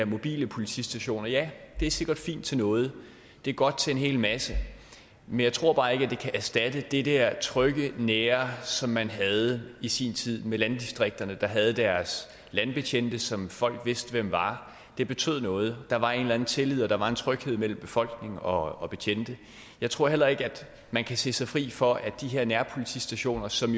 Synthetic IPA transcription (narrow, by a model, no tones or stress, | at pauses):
ɐmo̝b̥ḭːləpʰo̝lit͡sʰḭsd̥æɕo̝̰ːnɐjæd̥e̝æse̝ɡ̥ɐd̥fḭːnd̥̚t͡sʰe̝nɔ̽ːð̞̩ˠ | d̥e̝ɐɡ̥ɒ̽d̥̚t͡sʰe̝e̝nɦe̝̰ːlmæsə | menjɑ̈ɪt͡sʰʁo̝ɐ̰b̥ɑ̈ːe̝ɡ̥æd̥e̝kʰæʔæsd̥æd̥əd̥e̝d̥æɐ̰t͡sʰʁœɡ̥əneːɐsɒ̽mːænɦæð̞̩ˠisḭnt͡sʰið̰ˠmelænd̥isd̥ʁeɡ̥̚d̥ɐnəd̥ɑ̈ɦæð̞̩ˠd̥æɐs | lænb̥e̝t͡ɕʰend̥əsɒ̽mfɒ̽l̰ɡ̥ʋe̝sd̥əʋem̰ʋɑ̈ | d̥e̝b̥e̝t͡sʰøð̞̰ˠnɔ̽ːð̞̩ˠd̥ɑ̈ʋɑ̈e̝ːnlænð̩ˠt͡sʰe̝lið̞̰ˠɒd̥ɑ̈ʋɑ̈e̝nt͡sʰʁœɡ̥he̝ð̞̰ˠmel̰m̩b̥e̝fɒ̽l̰ɡ̥ne̝ŋ̩ɒ̽ɒ̽b̥e̝t͡ɕʰend̥ə | jɑ̈ɪt͡sʰʁo̝ɐ̰ɦel̰ɐe̝ɡ̥əæd̥ | mænkʰæse̝̰ːsɑ̈ɪfʁḭːfɒ̽ʔæ̥d̥iɦeɐ̰næɐpʰo̝lit͡sʰḭːsd̥æɕo̝̰ːnɐsɒ̽m